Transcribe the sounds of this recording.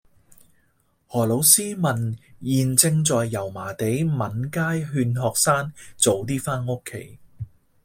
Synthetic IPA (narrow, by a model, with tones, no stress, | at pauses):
hɔː˨˩lo˨˧wsiː˥mɐ˨˩njiː˨nt͡sɪ˧ŋt͡sɔː˨jːɐ˨˩wmaː˨˩t̪e˨˥jmɐ˨˥nkaː˥jɦyː˧nɦɔː˨k̚saː˥nt͡so˨˧wt̪̬iː˥faː˥nʊ˥kʰːe˨˥j